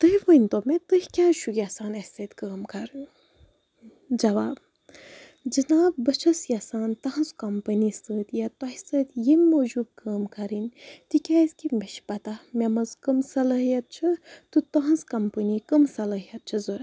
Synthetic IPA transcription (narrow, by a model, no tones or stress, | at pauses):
t̪ɨɦiʋənʲt̪omẽt̪ɨhʲikʲaːʃʰuɡʲjaːsaːnɐsɐt̪kaːmkɐɾ | d͡ʒɐʋaːb | d͡ʒɨnaːb̚bɐt͡ʃʰɐsjasaːnt̪ɐɦɐ̃zkɐmpənist̪əːt̪jat̪ɐhsəːt̪jemːoːd͡ʒuːb̪̚kəːmkɐɾinʲt̪ikʲaːzkimeʃpɐt̪amʲemɐzkɐmsɐlɐɦijɐt̪̚t͡ʃʰɐt̪ɨt̪ɐɦɐ̃nzkɐmpənikɐmsɐlɐɦijɐt̪̚t͡ʃʰɐzoɾa